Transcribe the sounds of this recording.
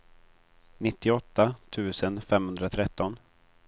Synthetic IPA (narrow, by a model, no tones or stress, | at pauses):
nɪt̪ːɪɔt̪ːat̪ʰʉ̟ːsənfɛmhɵnd̪ɾat̪ʰɾɛt̪ːɔn